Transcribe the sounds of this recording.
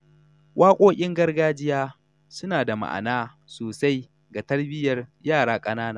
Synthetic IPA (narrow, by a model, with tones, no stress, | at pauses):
wʔaː˦kʷʼoː˦kʲʼɪ˦ŋɡɐ˦rɡaː˦d͡ʒɪ˦jaː˦ | sʊ˦naː˨da˨ma̰˨ʔa̰˨naː˦ | soː˨sa˦j | ɡa˨tɐ˦rbɪ˦jɐ˨rjaː˦˨ɽaː˦kʼɐ˦naː˦naː˨˦˨